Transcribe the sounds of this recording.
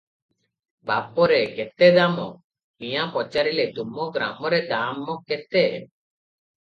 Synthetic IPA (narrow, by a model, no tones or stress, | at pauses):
ba̰pɔɾeɡet̪ed̪amɔ̰ | mĩjapɔt͡ʃaɾiled̪umɔɡɾa̰mɔɾed̪amːɔket̪e